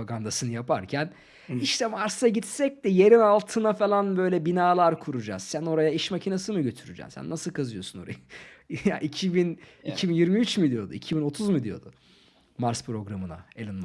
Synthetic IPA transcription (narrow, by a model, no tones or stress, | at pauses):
aɡand̪asɯnɯjapʰaɾcʰæn | iʃt̪ʰɛmaɾsaɟit̪sɛc̚d̪ɛje̞ɾinalˠt̪ʰɯnafalˠanbø̞jlʲɛbinaːlˠaɾkʰuɾud͡ʒa̰ːz̥sæno̞ɾajaiʃmacʰinasɯmɯɟø̞t̪ʰyɾyd͡ʒɛ̰msæ̰nːasɯlˠkʰazɯjo̞suno̞̰ɾa̰jja̰ʔicʰibinicʰibinjiɾmiyt͡ʃmid̪ijo̞d̪ṵicʰibino̞t̪ʰuzmɯd̪ijo̞̰d̪ʊ | maɾspʰɾo̞ɡɾamɯna̰elʲinm